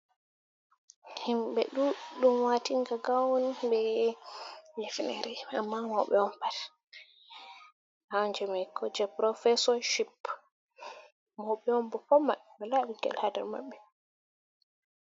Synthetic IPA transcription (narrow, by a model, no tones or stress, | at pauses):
himbɛɗuɗumwatiŋɡaɡawnibɛ | ɲd͡ʒɛfinɛ̰ɾɛamːamɔwɓɛɔmpat | hawnd͡ʒɛmajkɔd͡ʒɛpɾɔfɛsɔʃip | mɔwɓɛɔmbɔpɔmamɛlaɓiɡɛ̰lhadɛ̰ɾma̰ɓːɛ